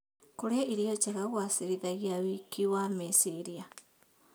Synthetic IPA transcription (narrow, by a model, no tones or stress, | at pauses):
koɾeaiɾiɔt͡ʃaɣaɣwasiɾiðaɣiawikiwamisiɾia